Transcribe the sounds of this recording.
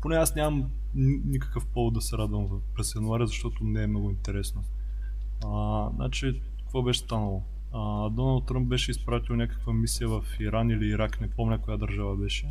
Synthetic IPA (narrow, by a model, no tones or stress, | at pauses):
ponɛasnʲamɐm | inʲikə̥kəfpɔvʊd̪d̪ɐsɛɾad̪vɐmv | pɾɛsjɐnʊaɾʲizɐʃt̪ɔt̪ʊnɛːmnɔɡʊint̪ɛɾɛsno | ənʔa̰t͡ʃi | kkvobɛʃɛ̥st̪anəlˠo | əd̪ɔnəɐlˠt̪̚t̪ːɾãmp̚bɛʃɛispɾat̪ʲilˠnʲakə̥kvəmisijəvɐfiɾaniliːɾaknɛpomlʲɛkʊjad̪ɐɾʒavəbɛʃɛ